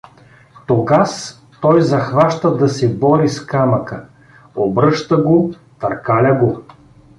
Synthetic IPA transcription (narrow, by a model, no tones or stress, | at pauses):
t̪oɡas | t̪ɔjzɐxvaʃt̪əd̪ɐsɛbɔɾiskamɐkə | obɾɤʃt̪əɡo | t̪ɐɾkalʲɐɡo